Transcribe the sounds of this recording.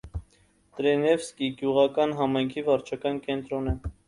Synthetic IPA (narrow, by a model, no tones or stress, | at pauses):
t̪ɾɛnɛfskiɡjuʁɑkɑnɦɑmɑjŋkʰivɑɾt͡ʃʰɑkɑnkɛnt̪ɾɔnə